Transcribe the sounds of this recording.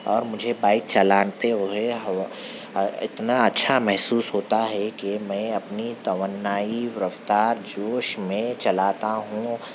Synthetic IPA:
ɔːɾmʊd͡ʒʱebaːɪk̚t͡ʃɐlaːnt̪eɦoɦeɦ | ɪ̰t̪naɐtːʃʰamɛɦsuːsɦoːt̪aɦɛkemɛ̃ːɐpnit̪ɐʋənːaːiʋɪɾəft̪aːɾd͡ʒoːʃmẽt͡ʃɐlaːt̪aɦũ

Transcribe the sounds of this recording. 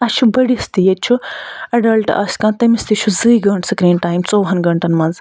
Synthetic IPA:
ɐt͡ʃʰubɐɽist̪ijet͡ʃʰuɐɖɐlʈɐ̰skãːt̪ɐmist̪it͡ʃʰuzɨjɡɐɳʈsɨkɾiːɳʈaːjmt͡soːɦɐnɡɐɳʈɐnmɐnz

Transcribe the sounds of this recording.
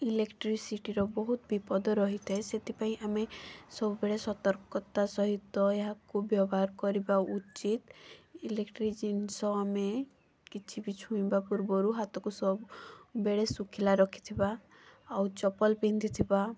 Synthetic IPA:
ilekʈɾisiʈiɾɔbɔɦut̪bipɔd̪ɔɾɔɦit̪ʰeset̪ʰipaĩʔamesɔbubeɽesɔt̪ɔɾkɔt̪asɔɦit̪ːɔeɦakubjɔbɔɦaɾkɔɾibaut͡ʃit̪ilekʈɾid͡ʒinsɔame | kit͡ʃʰibit͡ʃʰũĩbapuɾbɔɾuɦat̪ɔkusɔbbeɽesukʰilaɾɔkʰi̥t̪ʰibaː | wt͡ʃɔpɔlpĩnd̪it̪ʰiba

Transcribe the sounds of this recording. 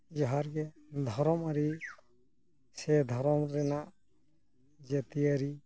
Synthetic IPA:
d͡ʒɔɦaɾɡɛ | d̪ʱɔɾɔmaɾi | sɛd̪ʱɔɾɔmɾɛnaʔ | d͡ʒɛt̪iaɾi

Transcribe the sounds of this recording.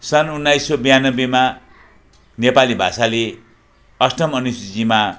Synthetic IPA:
sʌnunːajsobijanʌbema | nepalibʱa̰sale | ʌsʈʌmʌnusd͡zima

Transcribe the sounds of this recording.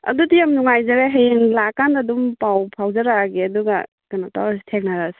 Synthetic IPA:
ɐ̰dudijamnuŋajzaɾeɦeŋlakandadumpawpʰawzaɾaɡeɐduɡa | kanata̰asi̥tʰek̚naɾas

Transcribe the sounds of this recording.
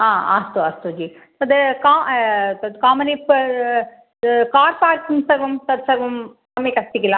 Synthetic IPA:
aːa̰ːst̪uaːst̪ud͡ʒiː | t̪ɐd̪ɨkaːt̪ɐd̪kaːmɐnip | kaːɾpaːɾkinsɐʋɐmt̪ɐd̪sɐʋɐm | ɐmeːkɐst̪ikʲːɪlãː

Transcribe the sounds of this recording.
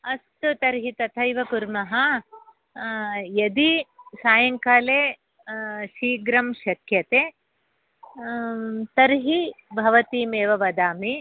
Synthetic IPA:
ɐst̪ut̪ɐɾɦit̪ɐt̪ʰɐjʋɐkuɾmɐɦɐ | jɐd̪isaːjɐŋkaːleː | ʃiːɡɾɐmʃɐkʰjɐt̪eː | t̪ɐɾɦibʱɐʋɐt̪iːmeːʋɐʋɐd̪aːmi

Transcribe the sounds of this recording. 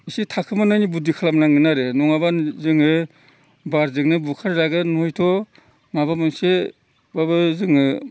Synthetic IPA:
isitʰakʰɯmanajnibudikʰalamlaŋɯnaɾenɔŋabazɯŋɯ | baɾzɯŋnɯbukʰaɾlaɡɯnɔjtʰɔ | mabamɯŋse | babɯzɯŋɯ

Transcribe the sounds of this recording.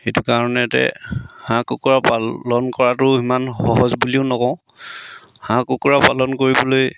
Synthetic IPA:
xejtukaɹɔnɛtɛ̰hãkukuɹapalɔnkɔɹatʊimanxɔɦɔzbuliʊnɔkɔ̃ʊ̃ | hãkukuɹapalɔnkoɹibɔloj

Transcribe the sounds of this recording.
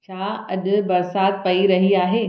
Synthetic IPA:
t͡ɕʰaːɐʄʊ̆bɐɾsaːt̪pɐiɾɐɦiaːɦeː

